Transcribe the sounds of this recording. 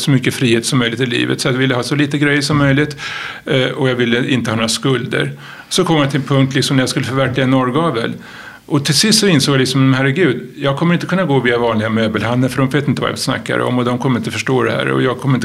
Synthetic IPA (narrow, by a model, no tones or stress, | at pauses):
sɔmʏkːəfɾiːheːt̪sɔmːœjlɪt̪ɪlḭːvə̰t̪sɔat̪vɪlːəɦɑːsɔliːt̪əɡɾɛjːəʂɔmːœjlɪt̪ | ɔjɑːɡvɪlːəʔɪnt̪əhɑːnoːɾaskɵld̪ə̰ɾ | sɔkʰɔmjat̪ʰɪlnpʰɵŋkt̪lɪksɔmnæɾjaskɵlːəfœɾvæɾkʰlɪɡaɛnɔɾɡɑːvə̰l | ʔɔt̪ʰɪlsɪst̪sɔɪnsoːɡjalɪksɔmhæɾɛɡʉ̟ːd̪jɑːɡ̚kʰɔməɾɪnt̪əkʰɵnːaɡoːviːavɑːnlɪɡamøːbəlhand̪ənfœɾhʊnveːt̪ɪnt̪əva̰ja̰sna̰kːa̰d̪ə̰ɔ̰mːɔd̪ɔmkʰɔmːəɾɪnt̪əfœʂʈoːd̪ɛhæ̰ɾɔ̰jɑːɡ̚kʰɔməɾɪnt̪